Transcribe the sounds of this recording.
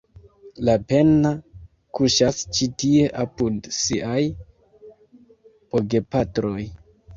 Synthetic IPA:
lape̞na | kuʃast͡ʃitie̞ʔapudsiʔaj | poɡe̞patɾo̞j

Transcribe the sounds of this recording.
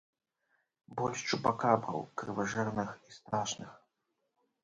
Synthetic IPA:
bɔlʲʂt͡ʂubakabɾɐ̰wkɾɨvaʐɛrnɨxist̪ɾaʂnɨx

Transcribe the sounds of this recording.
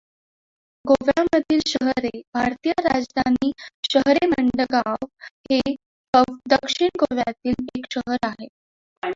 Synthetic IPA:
ɡoʋjaməd̪ʱiːlɕəɦɾebʱaɾt̪ijəɾad͡zd̪ʱaniːɕəɦɾeməɳɖəɡaʋhe | əd̪əkʂiɳɡoʋjat̪iːlekɕəɦəɾaɦe

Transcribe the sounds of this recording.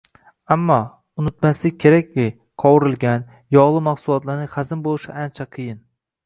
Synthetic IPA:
amːɒ | ʊnɪt̪maslɪk̚ʲkʰʲːe̞ɾakʲlʲɪ | qʰɒwɪɾɪlɡʲan | jɒʁlˠɨmaχsʊlˠɒt̪laɾnɪχazɪmbolˠɪʃɪʔant͡ʃʰaqʰɨjɪn

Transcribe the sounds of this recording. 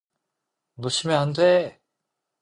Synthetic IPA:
muɕʰimeɦandʰe

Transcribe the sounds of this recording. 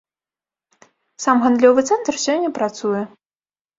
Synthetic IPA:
samɣand̪lʲɔvɨt̪sɛnt̪rsʲɔnʲːɐpɾat̪sujɛ

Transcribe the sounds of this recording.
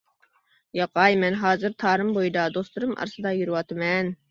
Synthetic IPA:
jɑqɑjmɛnɦɑːzɨɾt̪ʰɑːɾɨmbojɨd̪ɑd̪oslˠuɾɨmʔɑ̰ɾsɨd̪ɑjyɾɨwɑt̪ʰɨmɛn

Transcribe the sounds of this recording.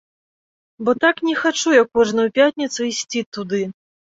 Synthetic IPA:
bɔt̪aknʲɛxat͡ʂujakːɔʐnɐupʲat̪ʲnʲɐt̪suisʲt͡sʲit̪ud̪ɨ

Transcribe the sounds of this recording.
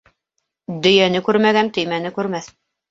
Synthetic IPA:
d̪ɵ̆jænɘkʉɾmæɡænt̪ɵ̆jmænɘkʉɾmæθ

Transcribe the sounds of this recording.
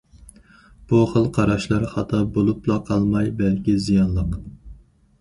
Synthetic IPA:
b̥uχəlˠqʰɑɾɑʃlˠɑɾχɑt̪ʰɑbolˠuplˠɑqʰɑlˠmɑjbɛlkʲizijɑnlˠəq

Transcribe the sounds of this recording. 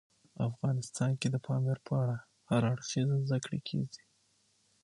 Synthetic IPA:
afɣɑnɪst̪ɑnked̪əpʰɑmeɾpʰəaɽa | haɾɑɽxizazd̪akɽḛkʰḛɡi

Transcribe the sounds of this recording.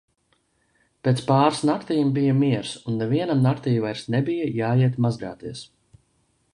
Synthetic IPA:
pʲeːt̪spaːɾsnaɾt̪iːmbijɐmiɛɾsunːɛviɛnamnaɾt̪iːjvajɾsnɛbijajaːjiɛt̪mazɡa̰ːt̪iɛs

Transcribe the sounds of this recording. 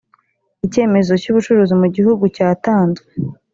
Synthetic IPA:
ice̞ːme̞zo̞cuβut͡ʃuɾuːzimuɟihuɡucaːtaːnzwe

